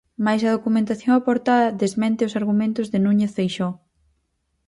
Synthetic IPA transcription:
majsɐð̞okumẽnt̪aθjõŋapoɾt̪aðɐðezmɛ̃nt̪ɪʊsaɾɣumẽnt̪ʊzðɪnũɲeθfejʃɔ

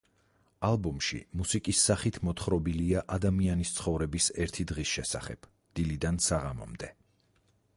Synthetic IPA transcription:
alˠbɔmʃḭmusikʼisːaχit̪ʰmɔt̪ʰχɾɔbiliaʔad̪amianist̪sʰχɔvɾɛbisɛɾt̪ʰid̪ʁisʃɛsa̰χɛ̰b̥ | d̪̥ilid̪ansaʁamɔ̰md̪ɛ

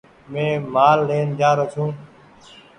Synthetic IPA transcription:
mẽːmaːlːeːnd͡ʒaːɾot͡ʃʰũː

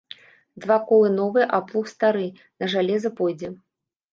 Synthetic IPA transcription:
d̪vakɔlˠɨnɔvɨjɛʔaplˠuxst̪aɾɨ | nɐʐalʲɛzɐpɔjd͡zʲɛ

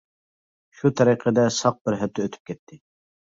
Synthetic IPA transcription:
ʃut̪ʰɑɾiqʰəd̪ɛsɑq̚bɪɾɦɛp̚t̪ʰɛøt̪ʰy̥p̚kʲʰɛt̪ʰːɪ

